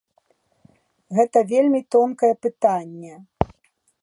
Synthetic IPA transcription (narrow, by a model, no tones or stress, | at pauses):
ɣɛt̪ɐvʲelʲmʲit̪ɔnkɐjɛpɨt̪anʲːɛ